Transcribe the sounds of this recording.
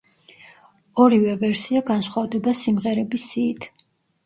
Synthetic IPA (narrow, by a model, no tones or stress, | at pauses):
ɔɾivɛvɛɾsiaɡansχwavd̪ɔbasimʁɛɾɛbisiːt̪ʰ